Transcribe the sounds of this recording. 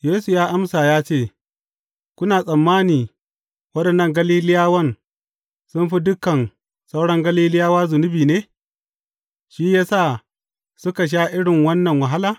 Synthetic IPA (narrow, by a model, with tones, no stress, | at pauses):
jeː˦su˨jaː˦ʔa˦msaː˨jaː˦t͡ʃeː˦˨ | kʷʊ˦naː˨sʼɐ˨mːaː˦niː˨ | wɐ˦ɗɐ˨nːɐ˦˨ŋɡɐ˦liː˦lɪ˦jaː˦wɐ˦n | sʊ˦mɸi˦dʊ˦kɐ˨n | sa˦wɽɐ˦ŋɡɐ˦liː˦lɪ˦jaː˦waː˦zʊ˨nʊ˦biː˨neː˦ | ʃi˦jaː˦sa˦˨ | sʊ˦ka˨ʃ̬aː˦ʔɪ˦ɽɪ˨ŋwɐ˦nːɐ˨ŋwɐ˨ɦa˦laː˨